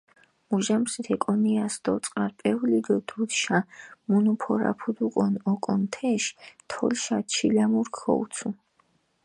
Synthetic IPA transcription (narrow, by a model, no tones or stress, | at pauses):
muʒamsit̪ʰɛkʼɔniasd̪̥ɔt̪sʼqʼaɾpʼɛvlid̪ɔd̪̥ud̪ʃamunupʰɔɾa̰pʰud̪ukʼɔnɔkʼɔnt̪ʰɛʃt̪ʰɔ̰lʃat͡ʃʰilamuɾkʰɔ̰ut̪sʰu